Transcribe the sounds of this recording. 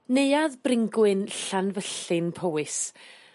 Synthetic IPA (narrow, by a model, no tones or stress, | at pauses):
neɨaðbrɪŋɡwɨnɬanvəɬɨnpʰowɨs